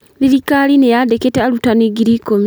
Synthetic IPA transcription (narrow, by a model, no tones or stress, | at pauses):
liɾikalinejadeketealutaniɡiɾikomi